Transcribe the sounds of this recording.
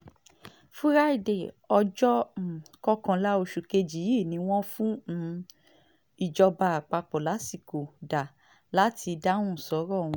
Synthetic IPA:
fũ˦ɾa˦i˦˨de˨ | ɔ˧d͡ʒɔ̃˦˨kɔ˦kã˧la˦o˧ʃu˨ke˧d͡ʒi˨˦i˦˨nĩ˧˦w̃ɔ̃˦fũ˦ | i˨d͡ʒɔ˧ba˧˨a˨k͡pa˧k͡pɔ˨la˨˦si˦˨ko˨da˨ | la˨˦tʰi˧da˦ũ˦˨sɔ˨˦ɾɔ˦˨w̃ũ˧

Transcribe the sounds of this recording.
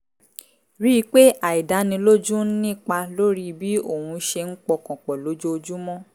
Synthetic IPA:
ɾi˦˧˦k͡pe˦a˨i˨da˨˦nĩ˧lo˦d͡ʒu˦n̩˦nĩ˦˨k͡pa˧lo˦ɾi˦bi˦o˦˨wũ˧ʃe˧ŋ̩˦k͡pɔ˧kɔ̃˨k͡pɔ˨lo˨˦d͡ʒo˦o˧d͡ʒu˦mɔ̃˦

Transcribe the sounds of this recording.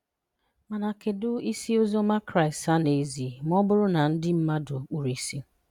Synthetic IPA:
ma˨na˨kɪ˨dʊ˦i˦si˦o˦zo˦ma˦kɾa˦˨ɪ˨sta˦ne˨zi˨m̩˦ɔ˦bʊ˦ɾʊ˦na˨n̩˦dɪ˦m̩˦ma˦dʊ˨k͡pu˨ɾi˦si˦

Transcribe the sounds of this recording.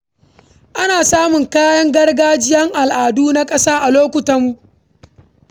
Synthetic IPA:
ʔa˦naː˨saː˦mʊ˨ŋkaː˦jɐ˦ŋɡɐ˦rɡaː˦d͡ʒɪ˦jɐ˦ŋʔa˨lʔaː˨duː˦na˦kʼɐ˦saː˦ʔa˨loː˦kʷʊ˨tɐ˦mːu˨˦ʔ

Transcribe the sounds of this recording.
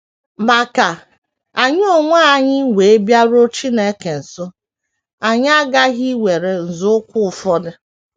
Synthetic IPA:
ma˨ka˨ | a˨ɲ˦o˦ŋʷa˦a˨ɲɪ˦wʷe˨e˦bja˦ɾo˦t͡ʃi˦ne˨˦ke˨n̩˨sʊ˦ | a˨ɲ˦a˦ɡa˦ɣi˦wʷe˨ɾe˨n̩˨zʊ˦ʊ˦kʷʊ˦ʊ˨fɔ˦dɪ˦

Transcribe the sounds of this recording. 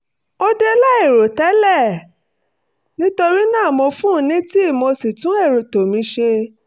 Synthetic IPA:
o˦de˦la˦e˦˨ɾo˨tɛ˨˦lɛ˦˨ | nĩ˦to˧ɾi˦nãː˦˨mõ˧fũ˦˧˦nĩ˨˦ti˦i˦˨mo˧si˨tũ˨˦e˦˨ɾo˨to˨mĩ˧˦ʃe˧

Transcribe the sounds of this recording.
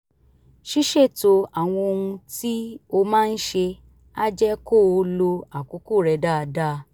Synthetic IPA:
ʃi˦ʃe˦˨to˧a˨w̃ɔ̃˧o˧ũ˧ti˦o˧mãː˦˧n̩˦ʃe˧ | a˦d͡ʒɛ˦ko˦˨o˧lo˧a˨ko˨˦ko˦˨ɾɛ˨˧˦da˦˨˧da˦˨

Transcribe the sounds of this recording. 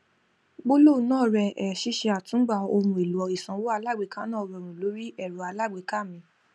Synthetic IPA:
ɡ͡bo˦lo˦˨˦nãː˦˨ɾɛ˧ʔɛ˨ʃi˦ʃe˧a˨tũ˨˦ɡ͡ba˧˨o˧mũ˧˨e˨lu˨˦ɔ˨˧˦i˨sã˨˧˦wo˦a˧la˦˨ɡ͡be˨˦ka˦nãː˦˨ɾɛ˧˨ɾ̃ũ˨lo˨˦ɾi˦ʔɛ˦˨ɾo˨a˧la˦˨ɡ͡be˨˦ka˦˨mĩ˧

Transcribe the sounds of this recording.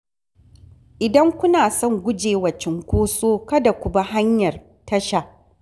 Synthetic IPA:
ʔɪ˨dɐ˦ŋkʷʊ˦naː˨sɔ˦˨ŋɡʷʊ˦d͡ʒeː˨wɐ˨t͡ʃɪ˨ŋkʷoː˦soː˦kɐ˦da˨kʷʊ˨ba˦ha˦ɲjɐ˨r | tɐ˦ʃa˦˨ʔ

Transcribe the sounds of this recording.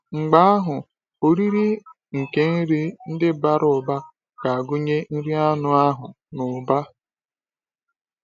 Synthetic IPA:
ŋ͡m̩˨ɡ͡ba˦a˦ɦʊ˨ | o˨ɾi˦ɾi˦ | ŋ̩˨ke˦n̩˦ɾi˦n̩˦dɪ˦ba˦ɾʊ˨ba˦ | ka˨a˨ɡʊ˦ɲe˦n̩˦ɾi˦a˦nʊ˦a˦ɦʊ˨ | nʊ˨ba˦

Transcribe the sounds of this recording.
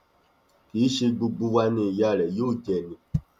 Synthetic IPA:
ki˨˦ʃe˧ɡ͡bu˧ɡ͡bu˦wa˧nẽ˨ja˦˨lɛ˨jo˦˨d͡ʒɛ˨nĩ˨

